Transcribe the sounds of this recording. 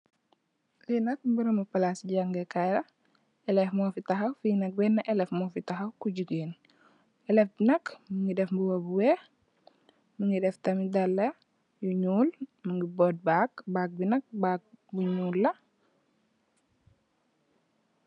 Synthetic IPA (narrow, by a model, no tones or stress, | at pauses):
linɐk̚mbuɾɐmupɐlasɟaŋɡɛkajɾɐ | ɛlɛfmɔːfitɐxɐwfinɐk̚bɛnːɐʔɛlɛfmɔːfitɐxɐwkuɟuɡeːn | ɛlɛfbinɐkmuŋɡidɛfmbuwɐbuwɛ | muŋidɛftɐmidɐlːɐ | juɲuːlmuŋɡibɔd̚bakbaːk̚binɐk̚bak̚buɲuːlːɐ